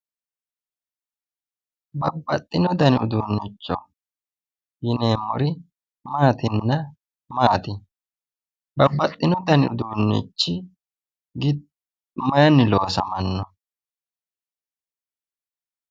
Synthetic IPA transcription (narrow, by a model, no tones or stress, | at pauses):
bɐbːɐt̪ʼːɪnɔd̪ɐnɪʊd̪uːnːɪt͡ʃːɔ̰ | jɪneːmːɔɾɪ | maːt̪ɪnːɐ | maːt̪ɪ | bɐbːɐt̪ʼːɪnɔd̪ɐnɪʊ̰d̪uːnːɪ̰t͡ʃːɪ | ɡɪ | mɐjɐnɪloːsɐ̰mɐnːɔ